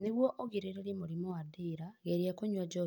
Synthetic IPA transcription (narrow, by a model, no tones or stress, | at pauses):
neɣwɔʔoɣiɾeɾeɾimoɾimɔwadiːɾaɣeɾjakoɲwad͡ʒɔ